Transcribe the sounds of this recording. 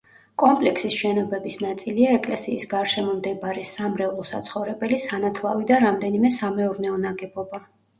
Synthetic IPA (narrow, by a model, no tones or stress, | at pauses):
kʼɔmpʼlɛkʰsisʃɛnɔbɛbisnat̪sʼiliaɛkʼlɛsiːsɡaɾʃɛmɔmd̪ɛbaɾɛsamɾɛulˠɔsa̰t̪sʰχɔvɾɛbɛlisanat̪ʰlˠavid̪aɾamd̪ɛnimɛsamɛuɾnɛɔnaɡɛbɔba